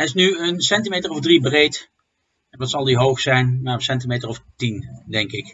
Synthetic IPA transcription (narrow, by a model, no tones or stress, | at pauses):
ɛɪsnyənsɛntimejtərɔvdribrejt | ʋɑtsɑlˠdiɦowχsɛjnmaːɹəsɛntimejtəɹɔftindɛŋkɪk